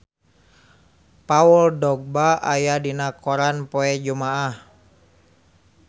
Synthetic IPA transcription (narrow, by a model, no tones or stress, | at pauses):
paɔldɔɡ̚baʔajadinakɔɾanpɔɛd͡ʒumaah